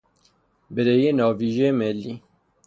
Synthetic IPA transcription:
bɪɾejenɑːviːʒemɛlːi

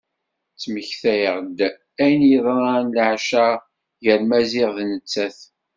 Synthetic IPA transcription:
t͡sːməçθæjəʁd̪ | æjnjəðˤɾˤɑnlʕʃæ | ʝəɾmæzɪʁðnət͡sːæθ

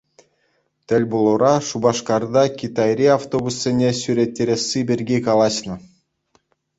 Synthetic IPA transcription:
t̪ʲɘ̆lʲbulˠuɾɑʂubɑʂkɑrd̪ɑkʲit̪ɑjɾʲiaft̪obusːʲenʲesʲyɾʲet̪ʲːeɾʲesʲːibʲerʲɡʲekɑlˠɑɕnɤ̆

